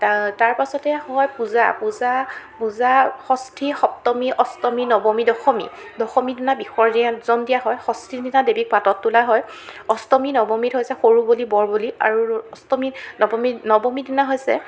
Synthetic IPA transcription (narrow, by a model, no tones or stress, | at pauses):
tataɹpasɔtɛhɔjpuzapuzapuzaxɔstʰixɔp̚tɔmiʔɔstɔminɔbɔmidɔxɔmḭ | dɔxɔmidinabixɔɹdiãtzɔndijaɦɔjxɔstʰidinadebik̚patɔtːulaɦɔjɔstɔminɔbɔmitɦojsɛxoɹubolibɔɹbolia̰ɹuɔstɔminɔbɔminɔbɔmidinaɦojsɛ̰